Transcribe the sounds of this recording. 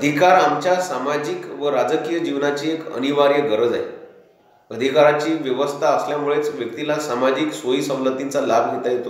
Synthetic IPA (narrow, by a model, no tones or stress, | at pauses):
əd̪ʱikaɾamt͡ɕjasamad͡ʑiːkʋəɾad͡zəkijəd͡ʑiʋnat͡ɕiːekə̰niʋaɾjəɡəɾəd͡za̰j | əd̪ʱikaɾat͡ɕiːʋjəʋəst̪ʰaəsljamuɭet͡sʋjək̚t̪ilasamad͡ʑiːksʋojiːsə̃mlət̪int͡salabʱɡʱet̪ajet̪o